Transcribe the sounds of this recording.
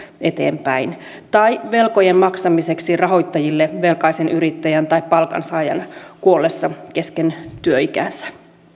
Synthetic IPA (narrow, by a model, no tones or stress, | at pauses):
e̞t̪ḛːmpæin | t̪ɑjʋe̞lko̞je̞mmɑksɑmise̞ksirɑɦo̞jt̪ːɑjilːeʋe̞lkɑjsenyɾit̪ːæjænt̪ɑippɑlkɑ̰nsɑːjɑ̰nkuo̞lːesːɑke̞skent̪yøikæ̰nsæ̥